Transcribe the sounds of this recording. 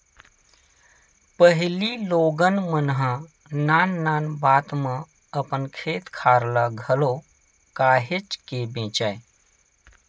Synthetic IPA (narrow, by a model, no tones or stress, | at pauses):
pəɦliloːɡənmənɦə̃ | naːnːaːnbaːt̪mə̃ | əpənkʰeːt̪kʰaːɾlaɡʱəlo | kaːɦet͡ʃkebẽːt͡ʃaːe